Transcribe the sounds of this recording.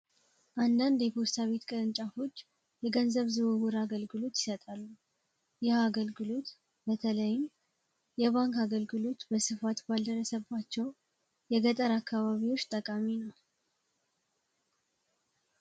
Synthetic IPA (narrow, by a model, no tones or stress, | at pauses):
ʔand̪and̪jɛpost̪ʰaβe̞t̪kʼɨɾɨnt͡ʃʼafo̞t͡ʃː | jɛɡənzəβzɨβɨwuɾaɡəlɡɨlo̞t̪jɪsət̪ʼalːu | jaaɡəlɡɨlo̞t̪ | bət̪ʰələjɪɲ | jɛβaŋkaɡəlɡɨlo̞t̪bəsɨfat̪bald̪əɾəsəbːat͡ʃːɛw | jɛɡət̪ʼəɾakːaβaβiwo̞t͡ʃːt̪ʼəkʼaminəw